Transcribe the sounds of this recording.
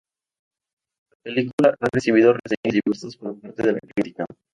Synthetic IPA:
lapelikulaʔaresiβ̞iðoreseɲiziβust̪ospoɾpaɾt̪eð̞ela̰kɾit̪ika

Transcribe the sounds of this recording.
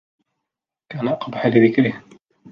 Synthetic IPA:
kaːnaʔɑqbaħalɪðɪkɾɪh

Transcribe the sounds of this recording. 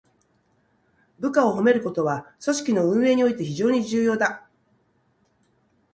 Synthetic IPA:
bɯ̟kao̞ɦo̞me̞ɾɯ̟ko̞t̪o̞βaso̞ɕi̥kʲino̞ɯ̟̃ɰ̃e̞ːɲ̟io̞it̪e̞çiʑo̞ːɲ̟id͡ʑɨːjo̞ːd̪a

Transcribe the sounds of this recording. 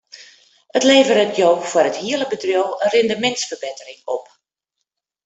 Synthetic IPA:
ətleːvərətjowfɔrəthiələbədrjowənrɪndəmɛntsfərbetərɪŋɔ̰p

